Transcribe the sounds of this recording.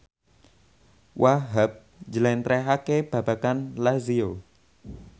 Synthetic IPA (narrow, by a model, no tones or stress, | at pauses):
wʔaɦap̚ | d͡ʒəlɛnt̪ɾɛɦakeb̥a̤b̥akanlazio